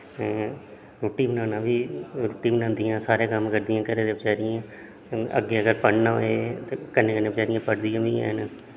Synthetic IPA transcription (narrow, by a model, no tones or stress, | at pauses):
ɾoːʈːiːbənãːnãːʋiːɾoːʈːiːbənãːnd̪ɪjãːsaːɾejãːkəmkəɾd̪ɪjãːkəɾeːd̪eːbɪt͡ʃaːɾɪjãː | ə̰ɡːeːəɡəɾpəɽnãːɦoeːt̪ekənːẽːkəneːbɪt͡ʃaːɾɪijãːpəɽd̪ɪjãːʋiã̰ːnː